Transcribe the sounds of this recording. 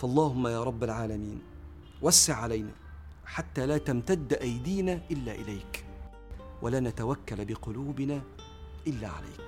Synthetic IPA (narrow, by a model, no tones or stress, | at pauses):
fʔɑlˤːɑːɦʊmːajaːɾˤɑbːalʕaːlamiːn | wasːɪʕʕalajna̰ː | ħat̪ːaːlaːt̪amt̪ad̪ːʔajd̪iːnaːʔɪlːaːʔɪlajk | wʔalaːnat̪awakːalbɪqʊluːbɪnaː | ʔɪlːaːʕa̰lʔa̰jk